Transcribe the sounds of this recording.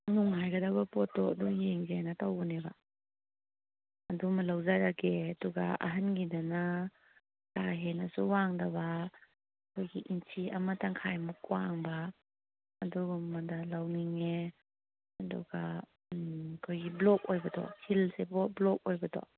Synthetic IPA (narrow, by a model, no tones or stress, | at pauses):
nuŋajɡadabapɔtːɔadujeŋzajnatawɔneba | dumɐlawzajɾakeaduɡaa̰ɦanɡidana | kaɦenasuwaŋdaβa | kʰojɡiʔintʰiamataŋkʰajmukwaŋbaː | duɡmadalawniŋe | aduɡa | kʰojɡiblɔk̚ojbatɔ̰tʰilsebɔblɔk̚ojbatɔ̰